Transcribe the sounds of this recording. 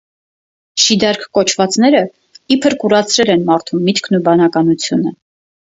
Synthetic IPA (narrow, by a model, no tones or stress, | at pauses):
ʃid̪ɑɾkʰkɔt͡ʃʰvɑt͡sn̪ɛɾə | ipʰəɾkuɾɑt͡sʰɾɛlɛnmɑɾt̪ʰumːit̪kʰnubɑnɑkɑnut͡sʰjunə